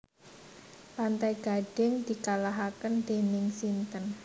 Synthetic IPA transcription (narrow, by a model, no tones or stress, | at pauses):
pant̪ajɡ̥a̤ɖ̥ɛŋd̪̥i̤kalaɦakənd̪̥enɪŋsint̪ən